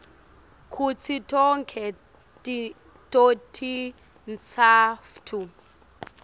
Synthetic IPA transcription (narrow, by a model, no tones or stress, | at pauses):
kʰut͡sʰitʼɔŋkʰɛ | tʼi | tʼotʰi | nt͡sʰaftʰu